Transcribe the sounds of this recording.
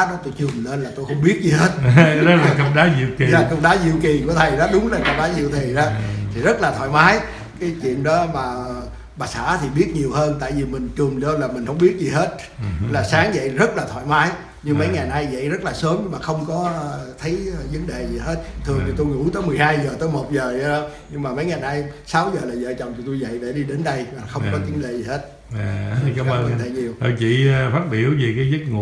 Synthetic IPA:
ɗɔ˨˦t̪o˧jt͡ɕɨ˨˩mle˧nlaː˨˩t̪o˧jxə˧wŋ͡mɓi˦˥ət̚zi˨˩he˦˥t̚lːkə˧wŋ͡mɗaː˨˦zḭ˧˨əwki˨aː˨˩kə˧wŋ͡mɗaː˨˦zḭ˧˨wki˨˩ku˧˩ət̪ʰə˨˩jɗɔ˨˦ɗʊ˨˦ŋ͡mla˨˩kə˧wŋ͡mɗaː˨˦zḭ˧˨wt̪ʰi˨˩zaː˨˧˦t̪ʰi˨˩zə˦˥t̚laː˨˩t̪ʰa̰ː˧˨jmaː˨˦j | kaː˨˦jt͡ɕwḭ˧˨ənɗɔ˨˦maː˨˩˨ | ɓaː˨˩sa̰ː˧˩˥t̪ʰi˨˩ɓi˦˥ət̚ɲi˨˩əwhəː˧nt̪a̰ː˧˨jvi˨˩mï˨˩ŋ̟t͡ɕu˨˩mlɨ̰˧əlaː˨˩mï˨˩ŋ̟hə˧wŋ͡mɓi˦˥ət̚zi˨˩ɦe˦˥t̚ | laː˨˩saː˨˦ŋzə̰˧˨jzə˦˥t̚laː˨˩t̪ʰwa̰ː˧˨jmaː˨˦j | ɲɨ˧ŋmə˨˦jŋa˨˩jna˧jzə̰˧˨jzə˦˥t̚laː˨˩səː˨˦mɲɨ˧maː˨˩xə˧wŋ͡mkɔ˨˦t̪ʰə˨˦jzə˨˦ŋɗḛ˧˨zi˨˩he˦˥t̚t̪ʰɨ˨˩əŋt̪i˨˩t̪u˧jŋṵ˧˥t̪əː˨˦jmɨ˨˩əjhaː˧jzəː˨˩t̪əː˨˦jmo˨˩t̚zəː˨˩a˧˨˦ | ɲɨ˧ŋmaː˨˩mə˨˦jŋaː˨˩jnaː˧jsaː˨˦wzəː˨˩laː˨˩zə̰ː˧˨t͡ɕɔ̰˧˨wŋ͡mt͡ɕ̪ʰɔ˧˩t̪u˧jzə̰˧˨jɗe˧˩ɗi˧ɗe˨˦nɗə˧jmaː˨˩xə˧wŋ͡mkɔ˨˦t͡ɕɨ˨˦ŋɗḛ˧˨zi˨˩he˦˥t̚ː | aː˨˦a˧˦˧ə˧nt̪ʰḛ˧˨˩ɲi˨˩əwə˧˩t͡ɕḭ˧˨˧faː˦˥t̚ɓi˧˩əwvi˨˩kaː˨˦jzɨ˦˥t̚ŋu˨

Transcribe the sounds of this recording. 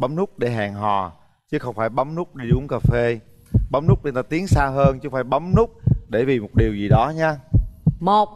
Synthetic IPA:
ɓa˨˦ŋ͡mnʊ˦˥k͡p̚ɗe˧˩ɦaː˨˩ŋɦɔ˨˩ | t͡ɕɨ˨˦xə˧wŋ͡mfaː˧˩jɓa˨˦mnʊ˦˥k͡p̚ɗi˧ɗʊ˨˦əŋkaː˧˩fe˧ | ɓa˨˦ŋ͡mnʊ˦˥k͡p̚ɗe˧nt̪aː˧t̪i˨˦əŋsaː˧wɦəː˧nt͡ɕɨ˨˦faː˧˩jɓa˨˦mnʊ˦˥k͡p̚ɗe˧˩vḭ˨˩mo˨˩t̚ɗi˨˩əwzi˨˩ɗɔ˨˦ɲaː˧mo˨˩t̚

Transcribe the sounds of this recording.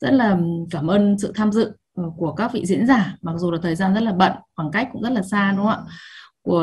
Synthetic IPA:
z̥ə˦˥t̚laː˨˩kaː˧˩mʔəː˧nsɨ̰˧˨t̪ʰaː˧mzɨ̰˧˨˩ | ku˧˩əkaː˦˥k̚vḭ˧˨zḭ˧˥ənzaː˨˩ma˨˩k̚zu˨˩laː˨˩t̪ʰəː˨˩jzaː˧nzə˦˥t̚laː˨˩ɓə̰˧˨ŋxwaː˨˩ŋka˦˥jk̟̚kʊ̰˧˥ŋ͡mzə˦˥t̚laː˨˩saː˧ɗə˧˨˦ŋ͡ma̰ː˧˥ku˧˩ə

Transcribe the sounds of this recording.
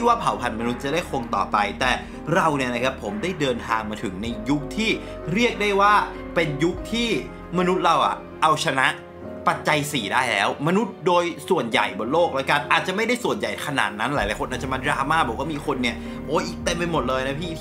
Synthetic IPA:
i˥˩waː˥˩pʰa˨˩˦wpʰa˧˩nma˧nu˦˥t̪̚t͡ɕa˨˩daː˥˩jkʰo˧ŋt̪ɔ̰ː˨˩pa˧jt̪ɛː˨˩ | ɾa˧wni˥˩na˦˧kʰa˦˥pʰːo˩˦mdaː˥˩jdɤː˧nt̪ʰaː˧ŋmaː˧t̪ʰɯ˨˩˦ŋna˧jju˦˥k̚t̪ʰiː˥˩ | ɾi˥˩ək̚daː˥˩jwaː˥˩ | pe˧nju˦˥k̚t̪ʰiː˥˩ | ma˧nu˦˥t̪̚ɾa˧wʔa̰˨˩ | ʔa˧wt͡ɕʰa˧na˦˥ʔ | pa˨˩t̪̚t͡ɕa˧jsiː˨˩daː˥˩jlɛː˦˥wma˧nu˦˥t̪̚doː˧jsu˨˩ənja̰˨˩jbɔ˨˩t̪̚loː˥˩k̚lɛː˦˥ka˧nʔaː˨˩t̪̚t͡ɕa˨˩ʔma˥˩jda˥˩jsu˨˩ənja˨˩jkʰa˧na̰ː˨˩t̪̚na˦˥nlaː˨˦jlaː˨˦kʰo˧nʔaː˨˩t͡ɕa˨˩ma˧˥˩ɾaː˧maː˥˩bɔː˨˩˦kwaː˥˩miː˧xʰo˧nːi˥˩ɐ | ʔoː˦˥ʔiː˨˩k̚t̪e˧mpe˧nmo˨˩t̪̚lɤː˧jna˦˥pʰiː˥˩

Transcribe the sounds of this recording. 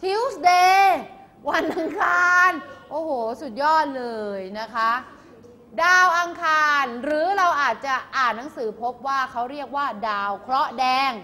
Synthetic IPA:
t̪ʰi˦˥wsdeː˧ | wa˧nʔa˧ŋkʰaː˧nʔoː˧˩hoː˨˩su˨˩t̪̚jɔː˥˩t̪̚lɤː˧jna˦˥kʰa˦˥ʔ | daː˧wʔa˧ŋkʰaː˧nɾɯː˨˦ɾa˧wʔaː˨˩t̪̚t͡ɕa˨˩ʔaː˨˩nnːa˩˦ŋsɯː˩˦pʰo˦˥p̚waː˥˩kʰa˦˥wɾi˥˩ək̚waː˥˩daː˧wkʰɾɔ˦˥ʔdɛː˧ŋ

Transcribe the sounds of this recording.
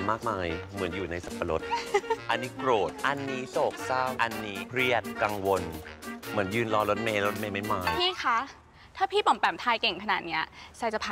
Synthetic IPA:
maː˥˩k̚maː˧jmɯ˩˦ənjuː˨˩na˧jsa˨˩pːa˧lo˦˥t̪̚ʔa˧nːiː˦˥kɾoː˨˩t̪̚ʔa˧nːiː˦˥soː˨˩k̚saː˥˩wʔa˧nːiː˧˥pʰɾi˥˩ət̪̚kaː˧ŋwo˧nmɯ˩˦ənjɯː˧nlɔː˧lo˦˥t̪̚meː˧llo˦˥t̪̚meː˧ma˥˩jmaː˧jpʰiː˥˩kʰa˦˥ | t̪ʰaː˥˩pʰiː˥˩pɔ˨˩˦mpɛː˨˩mt̪ʰaː˧jke˨˩ŋkʰa˧naː˨˩t̪̚ni˦˥ɐsa˧˩jt͡ɕa˧˩pʰa˧

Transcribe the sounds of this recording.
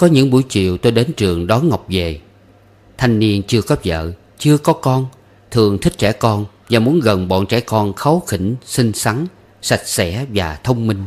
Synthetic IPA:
kɔ˨˦ɲɨ̰˧˥ŋɓu˧˩jt͡ɕḭ˧˨əwt̪o˧jɗe˨˦nt͡ɕɨ˨˩əŋɗɔ˨˦nŋa˨˩wk͡p̚ve˨˩ | t̪ʰa˧jŋ̟ni˧ənt͡ɕɨ˧əkɔ˨˦zə̰ː˧˨ | t͡ɕɨ˧əkɔ˨˦kɔ˧n | t̪ʰɨ˨˩əŋt̪ʰï˦˥k̟̚t͡ɕɛ̰˧˩kɔ˧n | vaː˨˩mu˨˦ənɣə˨˩nɓɔ̰˧˨nt͡ɕɛ̰˧˥kɔ˧nxa˨˦wxḭ˧˩ŋsi˧ŋsa˨˦ŋ | sa˨˩jk̚sɛ̰˧˥vaː˨˩t̪ʰə˧wŋ͡mmï˧ŋ̟

